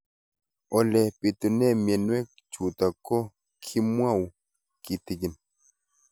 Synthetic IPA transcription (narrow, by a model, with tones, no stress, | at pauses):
ɔ˨lɛ˨pi˨t̪u˨nɛ˦mɛ˨nwɛ˦k | t͡ʃu˨ta˨kɔ˦ | kʰi˦mwa˦˨w | ki˨ti˨ɡi˨n